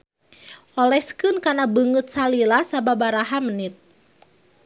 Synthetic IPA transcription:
ʔɔlɛskɨnkanabəŋɨt̪̚salilasababaɾaɦamənit̪̚

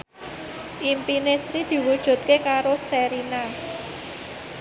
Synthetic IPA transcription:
ʔimpinesɾid̪̥i̤wud̥ʒ̥ṳt̪̚kekaɾosɛɾina

